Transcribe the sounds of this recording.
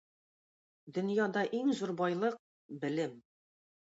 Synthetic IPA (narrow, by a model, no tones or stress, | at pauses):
d̪ɵ̆njɑd̪ɑʔiŋzuɾbɒjlˠɤq̚ | bɘ̆lɘm